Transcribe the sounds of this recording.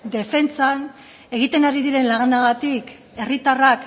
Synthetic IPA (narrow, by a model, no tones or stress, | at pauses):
d̪e̞fe̞nt͡san | e̞ɣ̞it̪e̞naɾiðiɾe̞nlaɣnaɣ̞at̪ik | e̞rit̪arak